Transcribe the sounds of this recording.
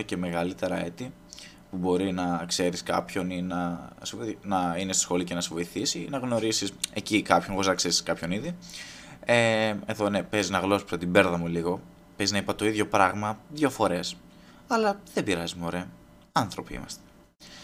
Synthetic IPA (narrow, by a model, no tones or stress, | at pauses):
ece̞me̞ɣɐlit̪e̞ɾɐe̞t̪i | pubo̞ɾinɐkse̞ɾiskɐ̰pço̞ninɐsenɐinest̪o̥sxo̞licenɐsevo̞iθisinɐɣno̞ɾisise̞cikɐpçoonɐkseɾi̥skɐpço̞niði | ee̞ðo̞nepe̞ziznɐɣlo̞spsot̪ibe̞ɾðɐmuliɣo̞ | peznɐipɐt̪o̞iðʝo̞pɾɐɣmɐðʝo̞fo̞ɾe̞s | ɐlɐðebiɾɐzimeo̞ɾe̞ɐ | ɐnθɾo̞piḭmɐ̰st̪e̥